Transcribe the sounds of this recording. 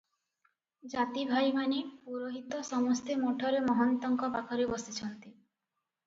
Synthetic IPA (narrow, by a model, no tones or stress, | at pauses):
d͡ʒat̪ibʱajmanepuɾoɦit̪ɔsɔmɔst̪emoʈʰɔɾemɔɦɔnt̪ɔŋkɔpakʰɔɾebɔsit͡ʃʰɔnt̪i